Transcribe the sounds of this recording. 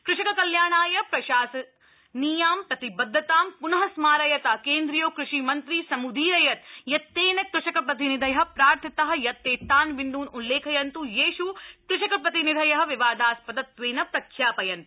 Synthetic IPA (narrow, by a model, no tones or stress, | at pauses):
kɾɪʃɐkɐkɐljaːɳaːjɐpɾɐʃaːsɐ | niːjaːmpɾɐt̪ibɐd̪ʱːɐt̪aːmpunɐɦɐsmaːɾɐjɐt̪ɐkeːnd̪ɾijoːkɾɪʃimɐnt̪ɾiːsɐmud̪ʱiːɾɐjɐt̪̚jɐt̪ːeːnɐkɾɪʃɐkɐpɾɐt̪inid̪ʱɐjɐɦɐ̆pɾaːɾt̪ʰɐt̪ɐɦɐ̆jɐt̪ːeːt̪aːnʋind̪uːnulːeːkʰɐjɐnt̪ujeːʃukɾɪʃɐkɐpɾɐt̪inid̪ʱɐjɐɦɐ̆ʋiʋaːd̪aːspɐd̪ɐt̪ʋeːnɐpɾɐkʰːjaːpɐjɐnt̪